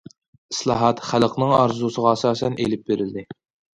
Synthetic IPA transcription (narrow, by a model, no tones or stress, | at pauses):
islˠɑɦɑt̪χælˠəqnɨŋɑ̰ɾzusəʁɑɛsɑːsɛnʔḛlɪp̚beɾɪld̪ɪ